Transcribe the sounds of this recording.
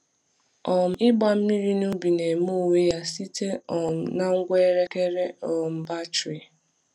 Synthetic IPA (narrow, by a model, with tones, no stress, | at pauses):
ɔ˨m̩˦ɪ˦ɡ͡ba˦m̩˦mi˦ɾi˦nu˦bi˨ne˨m˦u˦˨we˦ja˦si˦te˦ɔ˨m̩˨na˦ŋ̩˦ɡʷe˦ɾe˦ke˦ɾe˦ɔ˨m̩˨ba˦t͡ʃɾi˨